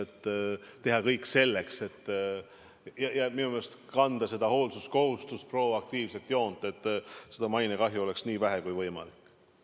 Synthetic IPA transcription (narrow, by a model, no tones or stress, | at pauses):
et̪ːt̪eɦɑkɤjkːˑse̞lːe̞kse̞t̪ː | jɑjɑminumelest̪kɑnd̪̥ɑse̞d̪̥ɑho̞ːlsusko̞hust̪uspro̞ɑk̚t̪iːvse̞lt̪jo̞ːnd̪̥e̞t̪ːˑse̞d̪̥ɑmɑjnekɑɦjuo̞le̞ksniːvæɦekujvɤjmɑ̰likː